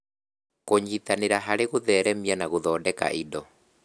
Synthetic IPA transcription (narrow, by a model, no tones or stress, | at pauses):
koɲit̪aneɾaɦaɾeɣoðɛːɾɛmianaɣoðɔːdɛka̰ʔidɔ